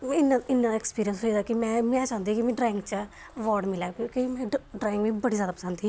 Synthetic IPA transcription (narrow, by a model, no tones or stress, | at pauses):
ɪnaɪnːaekspiːɾijənsɦoid̪aːkɪmɛ̃ːmɛ̃ːt͡ʃãːʊ̃nd̪ikimɛ̃ːɖɾaːɪ̃ŋɡt͡ʃə | əʋɔːɾɖmɪlɛːkokimɛ̃ːɖɾaːɪ̃ŋɡʋĩːbəɽiːzjaːd̪aːpə̥sə̃nd̪iː